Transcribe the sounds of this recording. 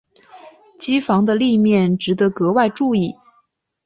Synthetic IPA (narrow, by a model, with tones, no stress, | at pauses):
t͡ɕi˥fɑ˧˥ŋd̪ə˧li˥˧mjɛ˥˩nʈ͡ʂɻ̩˨˧˥d̪ɤ˧˥kɤ˧˥wa˥˧ɪʈ͡ʂu˥˧i˥˩